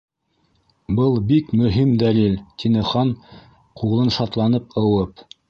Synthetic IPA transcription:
bɤlˠbikmɵ̆ɦimd̪ælilt̪ʲinɘ̆χɑn | qʰuʁlˠɤnʃɑt̪lˠɑnɤpɤ̆wɤp

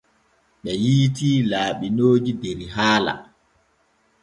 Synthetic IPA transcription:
ɓɛjiːtiːlaːɓinoːd͡ʒideɾiɦaːla̰

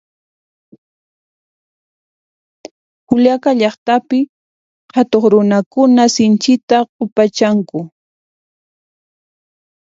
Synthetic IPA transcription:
hʊljakaʎɑχt̪apɪ | hat̪oχɾʊnakʊnasɪnt͡ʃɪt̪aqʊpat͡ʃaŋkʊ

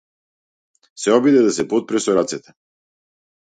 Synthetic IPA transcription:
sɛɔbid̪ɛd̪asɛpɔt̪̚pɾɛsɔɾat̪sɛt̪ɛ̥

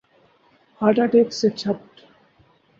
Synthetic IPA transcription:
haʈaʈekset͡ɕʰap̚ʈ

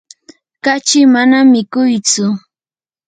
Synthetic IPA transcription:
kat͡ʃɪmanamɪkʊjt͡sʊ

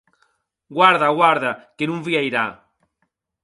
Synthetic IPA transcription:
ɡwaɾðaɣwaɾðakenũŋviajɾa

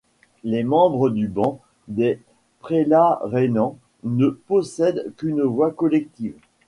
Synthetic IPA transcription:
lemɑ̃bʁəd̪ybɑ̃ | d̪e | pχelaʁenɑ̃ | nəpɔsɛd̪kʲynvwakɔlɛkt̪iːv

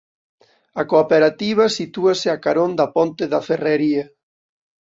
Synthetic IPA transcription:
ɐkopeɾat̪iβ̞ɐsit̪uɐsɪakaɾond̪ɐpont̪eðɐfereɾiɐ

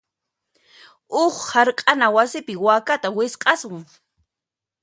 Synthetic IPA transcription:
ʊχhaɾqʼanawasɪpɪwaːkat̪awɪsqʼɑsʊŋ

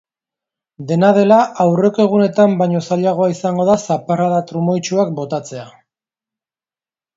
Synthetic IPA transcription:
d̪e̞naðe̞laʔawre̞ko̞e̞ɣ̞une̞t̪ambaɲo̞saʎaɣ̞o̞aisaŋɡo̞ðasaparaðat̪ɾumo̞jt͡ʃuak̚bo̞t̪at͡se̞a

